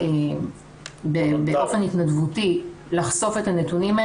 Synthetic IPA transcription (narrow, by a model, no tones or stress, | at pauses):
em | bebeʔofe̞nitnadvutilaχso̞fe̞tanetunima